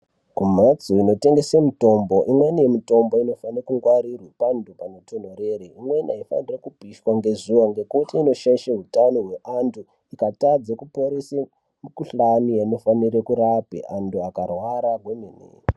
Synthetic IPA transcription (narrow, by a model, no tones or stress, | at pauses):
kum̤at͡soino̞te̞ŋɡesemito̞mbo̞ʔimwe̞niemito̞mbo̞ino̞fanirekuŋɡwaɾirwepandʱupanotʰon̤oreːɾiimwe̞niaifa̰nirekupiʃwaŋɡe̞zuwaŋɡe̞kutiːno̞ʃaiʃeɦutanoɦwe̞ʔandʰu | ikatad͡zekupo̞ɾese | mukuɬanujaino̞fanirekuɾapḛʔanduakarwaɾaɡwemenḛ